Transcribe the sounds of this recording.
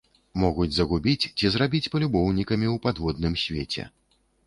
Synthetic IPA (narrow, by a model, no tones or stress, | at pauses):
mɔɣud͡zʲzɐɣubʲit͡sʲt͡sʲizɾabʲit͡sʲpɐlʲubɔwnʲikɐmʲiwpad̪vɔd̪nɨmsʲvʲet͡sʲɛ̰